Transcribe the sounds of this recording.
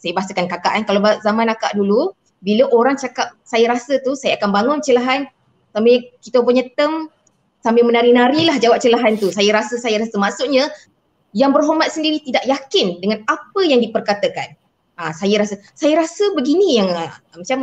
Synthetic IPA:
sajəbaɦasəkankakaʔankalabazamãnaka̰ʔdulu | biləʔoɾaŋt͡ʃakap̚sajəɾasət̪usajaakanbaŋʊnt͡ʃəlaɦan | sambekit̪əpuɲat̪əm | sambimə̃naɾinaɾilahd͡ʒawap̚t͡ʃəlaɦant̪usajəɾasəsajaɾasəmaʔsuʔɲa | jaŋbərɦomat̪̚səndiɾit̪idaʔjakɪndəŋanap̚əjaŋdipərkat̪əkan | asajəɾasə | sajəɾasəbəɡinijaŋəmat͡ʃam

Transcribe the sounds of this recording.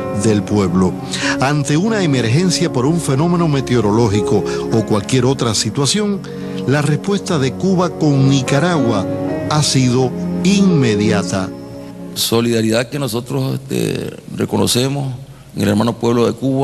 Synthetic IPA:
ðe̞lpwe̞βlo̞ | ant̪e̞unaeme̞ɾxe̞nsjapo̞ɾuɱfe̞nõ̞mẽ̞no̞me̞t̪eoɾo̞lo̞xiko̞ːkwalkje̞ɾo̞t̪ɾasit̪wasjo̞ŋ | lare̞spwe̞st̪aðe̞kuβako̞ŋnikaɾaɣwaasiðo̞iŋme̞ðjat̪a | so̞liðaɾiðake̞noso̞t̪ɾosḛst̪ḛrḛkono̰se̞mos | eŋeleɾmãnopwe̞βloðe̞kuβa

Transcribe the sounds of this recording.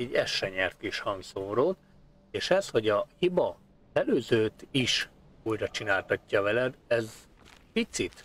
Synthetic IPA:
ɛɟːɛʃːɛɲɛrt̪kiʃhɒŋɡsoːɾoːt̪̚ | eːʃɛsho̞ɟɒhibɒ | ɛløːzøːt̪iʃ | ujrɒt͡ʃinaːlt̪ɒcːɒvɛlɛd̪ɛz | pit̪sit̪

